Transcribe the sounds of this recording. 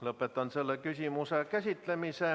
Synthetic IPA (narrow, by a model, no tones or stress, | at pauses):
lopːˑet̪ɑnselːekysimusekæsit̪ːlemise